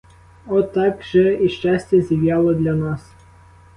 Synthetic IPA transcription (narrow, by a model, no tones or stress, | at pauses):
ɔt̪ːɑkʒɛiʃt͡ʃɑsʲtʲɐzʲiwjɑlˠɔd̪lʲɐnɑs